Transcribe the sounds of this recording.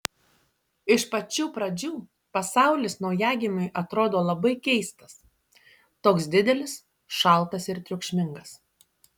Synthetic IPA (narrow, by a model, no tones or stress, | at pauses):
ɪʃpɐt͡ʃʲuːpɾɐd͡ʒʲuː | pɐsɑˑʊlʲɪsnɔʊjæːɡʲɪmʲʊɪʔɐt̪ɾoːd̪oːlˠɐbɐɪkʲɛɪst̪ɐs | t̪oːksd̪ʲɪd̪ʲɛlʲɪs | ʃɐˑlˠˑt̪ɐsɪɾt̪ʲɾʲʊkʃʲmʲɪŋɡɐs